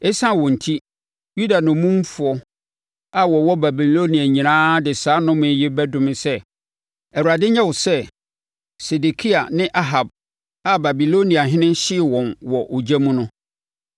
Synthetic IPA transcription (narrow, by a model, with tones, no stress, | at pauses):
ɛ˦sã˦˨wɔ̃˨n̩˨tʰi˦ | ju˦da˨nʊ̃˨mũ˦m˦fʊ˨ɔ˦ | a˨wɔ˨wɔ˦ba˨bi˨lo˦nĩ˨a˨ɲĩ˨nãː˦dɪ˨saː˦nʊ̃˦mʊ̃˨˦jɪ˦bɛ˦dʊ̃˦mɪ̃˨sɛ˦ | ɛ˨wu˨ɾa˨dɪ˦ɲɛ̃˦wɔ˨sɛ˦ | se˨de˨kʰi˦a˨nɪ̃˦ʔa˦ɦa˨b̚ | a˦ba˨bi˨lo˦nĩ˨a˨ɦɪ̃˦nɪ̃˦n˦ɕɪ˦˨wɔ̃˨nwɔ˨ʔo˨d͡ʑæ˦mũ˦nʊ̃˦